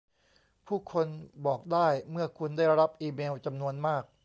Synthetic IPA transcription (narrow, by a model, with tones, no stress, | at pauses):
pʰuː˥˩kʰo˧nbɔː˨˩k̚daː˥˩jmɯ˥˩ɐkʰu˧ndaː˥˩jɾa˧ɾa˦˥p̚ʔiː˧meː˧wt͡ɕa˧mnu˧ənmaː˥˩k̚